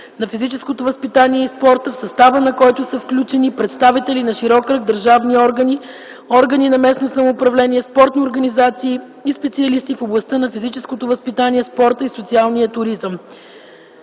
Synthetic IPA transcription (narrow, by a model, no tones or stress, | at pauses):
nɐfizit͡ʃɛskot̪ovəspit̪aniɛispɔɾt̪əfsɐst̪avənɐkɔjt̪ʊsəfklʲut͡ʃɛnipɾɛt̪st̪avit̪ɛlinɐʃiɾɔkɾəɡ̚d̪əɾʒavniɔɾɡəni | ɔɾɡəninɐmɛsnosəmoːpɾɐvlɛniɛspɔɾt̪nioɾɡɐnizat̪siː | ispɛt̪siɐlist̪ifoblˠɐst̪ənɐfizit͡ʃɛskot̪ovəspit̪aniɛspɔɾt̪əisot̪sialˠnijət̪ʊɾizəm